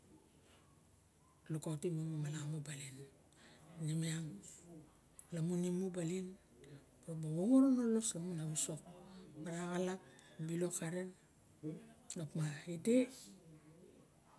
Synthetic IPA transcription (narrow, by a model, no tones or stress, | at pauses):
lukawtimumumalamubalinː | imiaŋ | lamunimubalin | pɾobawoŋoɾonoloslamunaβuso̞k̚maɾaɣalakbilo̞kaɾen | lokmaide